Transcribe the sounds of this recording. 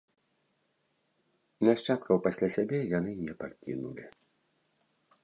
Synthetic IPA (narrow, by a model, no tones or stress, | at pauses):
inaʂt͡ʃat̪kɐwpasʲlʲasʲabʲɛjanɨnʲɛpakʲḭnṵlʲi